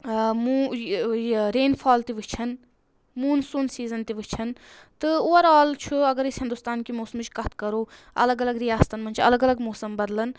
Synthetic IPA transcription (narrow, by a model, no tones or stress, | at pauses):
mu | ɾeːnfʰaːlt̪iʋɨt͡ʃʰɐn | muːnsunsiːzɐnt̪iʋɨt͡ʃʰɐn | t̪ɨoːɐɾaːlt͡ʃʰuɐɡɐɾisɦɪnd̪ust̪aːnkimoːsɐmɨt͡ʃʰʲkɐt̪ʰkɐɾoː | ɐ̰lɐɡɐlɐɡɾijaːst̪ɐnmɐnʲt͡ʃʰɐ̰lɐɡɐlɐɡmoːsɐmbɐɾlɐn